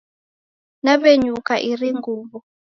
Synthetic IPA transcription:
naβeɲukaʔiriŋɡuːβɔ

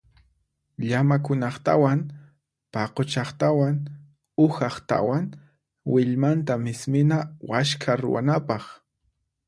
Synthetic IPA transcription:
ʎamakʊnɑχt̪awaŋ | pɑqot͡ʃɑχt̪awaŋ | ʊxɑχt̪a̰waŋ | wɪʎmant̪amɪsmɪnawaʃkʰaɾʊ̰wa̰napɑχ

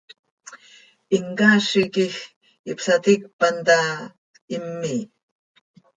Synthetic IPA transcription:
iŋkaʃikix | ipsat̪ik̚pant̪a | imːi

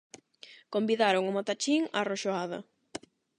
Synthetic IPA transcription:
kombiðaɾoŋʊmot̪at͡ʃiŋaroʃoaðɐ̰

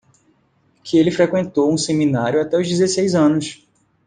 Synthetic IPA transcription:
kʰɪelɪfɾekwẽnt̪owũsemĩnaɾjʊat̪ɛʊzd̪izesejzɐ̃nʊs

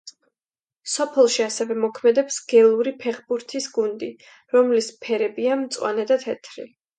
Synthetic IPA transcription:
sɔpʰɛlˠʃiasɛvɛmɔkʰmɛd̪ɛpsɡ̥ɛlˠuɾipʰɛχbuɾt̪ʰisɡund̪i | ɾɔmlispʰɛɾɛbiamt̪sʼwa̰nɛd̪at̪ʰɛt̪ʰɾi

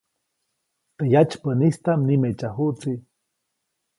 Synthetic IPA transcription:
t̪ejat͡ʃpənist̪amnimet͡ʃaɦut͡si

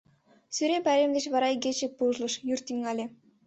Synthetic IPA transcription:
syɾʲempæɾʲemd̪ʲeɕβɑɾɑɡʲet͡ɕĕpuʒlˠɤ̆ʃjurʲt̪iŋːɑlʲĕ

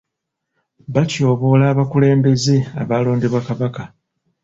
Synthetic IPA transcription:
βaco̞ːβo̞laːβakule̞ːmbe̞ze̞a̰βaːlo̞ːndeβwakaβaka

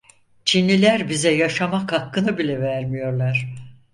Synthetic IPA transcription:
t͡ʃʰinlʲilʲæɾbizɛjaʃamakhakːɯnɯbilʲɛvæɾmijo̞ɾlˠaɾ̥

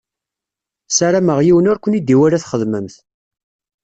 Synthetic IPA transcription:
saɾaməʁjiwənʊɾkʷːənid̪iwæɾæθχəðməmθ

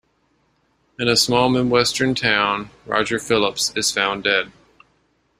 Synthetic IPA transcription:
ɨ̃nəsmɔlˠmɨ̃nwɛstə̃˞ntʰãʊ̃nɹɑ̰d͡ʒə˞fɪlˠəpsɨz̥fãʊ̃ndɛd̥̚

